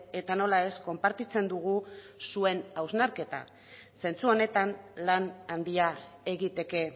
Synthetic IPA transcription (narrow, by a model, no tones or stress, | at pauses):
e̞t̪ano̞lae̞sko̞mpaɾt̪it͡se̞nd̪uɣ̞u | sue̞nawznaɾke̞t̪a̰ | se̞nt͡suo̞ne̞t̪anlanand̪iae̞ɣit̪e̞ke̞